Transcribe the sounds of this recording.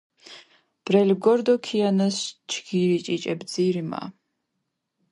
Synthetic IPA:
b̥ɾɛlɡɔɾd̪ɔkʰianast͡ʃʰɡiɾit͡ʃʼit͡ʃʼɛbd̪ziɾima̰

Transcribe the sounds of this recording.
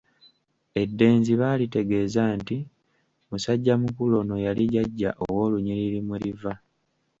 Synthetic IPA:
e̞dːe̞ːnziβaːlite̞ɡe̞ːzaːnti | musaɟːamukulo̞no̞jaliɟaɟːaʔowo̞ːluɲiɾiɾimuɾiva

